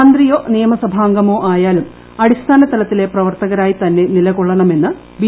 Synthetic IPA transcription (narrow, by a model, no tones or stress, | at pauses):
nd̪rijo̞ːnijɐmɐsɐbʱaːŋɡɐmo̞ːʔaːjaːlum | ɐɽist̪ʰaːnɐst̪ːɐlɐt̪ːile̞prɐʋɐrt̪ɐɣɐɾaːjit̪ɐnːe̞nilɐɣoɭːɐɳɐme̞nːɨ | bi